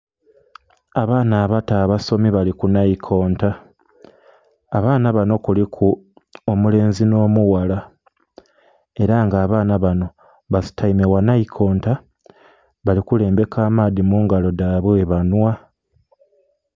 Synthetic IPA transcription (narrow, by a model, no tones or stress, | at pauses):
aβaːnaːβataːβaso̞miβalikunaikʰo̞ːnta | βaːnaβano̞kulikʰu | omule̞ːnzino̞ːmuwala | e̞ɾaŋɡaːβaːnaβano̞ | βasi̥taimewanaikʰo̞ːnta | βalikule̞ːmbe̞kaːmaːdimuːŋɡalo̞daβweβanwa